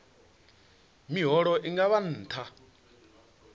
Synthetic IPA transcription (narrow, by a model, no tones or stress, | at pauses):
miɦɔɺɔʔiŋɡaβan̩ːtʰa